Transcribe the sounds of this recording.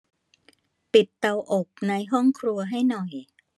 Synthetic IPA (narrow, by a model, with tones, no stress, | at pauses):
pi˨˩t̪ːa˧wʔo˨˩k̚na˧jɦɔ˥˩ŋkʰɾu˧ɐɦa˥˩jnɔ˨˩j